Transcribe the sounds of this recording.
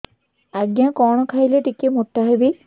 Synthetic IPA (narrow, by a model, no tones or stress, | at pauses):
aɡjakɔːɽ̃ɔkʰaɦjleʈikemut̪ːaɦebi